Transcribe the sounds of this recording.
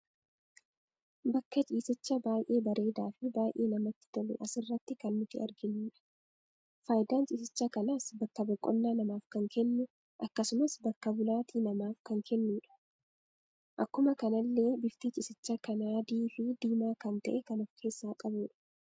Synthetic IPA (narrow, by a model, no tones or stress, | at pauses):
bɐkːɐt͡ʃʼiːsɪt͡ʃːɐbaːjʔe̞ːbɐɾe̞ːd̪aːfɪbaːjʔe̞ːnɐmɐt̪ːɪ̥d̪ɐlɛ̰ʔɐsɪrːɐt̪ːɪkɐnːʊt̪ɪɐɾɡɪnːuːᶑɐ̥ | faːjd̪aːnt͡ʃʼɪs̬ɪt͡ʃːɐkɐnasbɐkːɐbɐkʼːɔ̰nːaːnɐmaːfkɐŋkɛnːʊ | ʔɐkːɐsʊmɐsbɐkːɐbʊlaːt̪ʰiːnɐmaːfkɐŋkʰɛnːuːᶑɐ̥ | ʔɐkːʊmɐkɐnɐlːe̞ːbɪft̪iːt͡ʃʼɪsɪt͡ʃːɐkɐnaːd̪iːfɪd̪iːmaːkɐnt̪ɐ̰ʔɛkɐnɔfkʰe̞ːsːaːkʼɐbuːᶑɐ̥